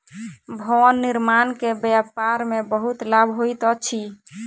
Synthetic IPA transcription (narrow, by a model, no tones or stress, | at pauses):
bʱɔnːiɾmankebjapaɾmebəɦut̪labʱɦojt̪ət͡ʃʰi